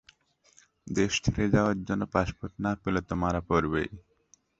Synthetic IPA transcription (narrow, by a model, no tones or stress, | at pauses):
d̪eʃt̪ʰiɾed͡ʑaoaɾd͡ʑonːopaʃpot̪napelot̪omaɾapoɾbḛj